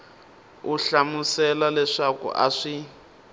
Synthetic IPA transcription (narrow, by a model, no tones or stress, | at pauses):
uɬamusɛlalɛʂakṵʔa̰ʂi